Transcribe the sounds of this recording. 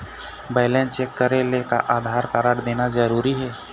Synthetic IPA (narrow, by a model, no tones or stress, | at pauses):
baːɪlẽnt͡ʃeːkːəɾeleka̰ʔaːd̪ʱaːɾkaɾaɽd̪eːnazəɾuːɾiɦɛː